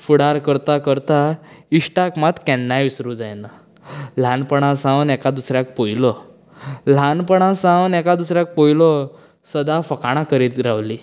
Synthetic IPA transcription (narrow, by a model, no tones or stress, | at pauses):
fuɽaɾkəɾt̪akəɾt̪aiʂʈakmat̪kɛ̃nːajʋisɾuːd͡zajna | l̤anpəɽ̃ãsãʋnɛkad̪usɾjak̚pojlɔ | l̤anpəɽ̃ãsãʋnɛkad̪usɾjak̚pojlɔ | səd̪afəkaɽ̃akəɾiːt̪ɾaʋli